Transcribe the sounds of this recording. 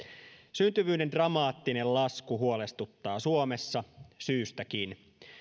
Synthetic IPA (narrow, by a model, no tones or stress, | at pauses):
synt̪yʋyːnde̞ndrɑmɑːt̪ːine̞llɑskuɦuole̞st̪ut̪ːɑːsuome̞sːɑsyːst̪æk̟in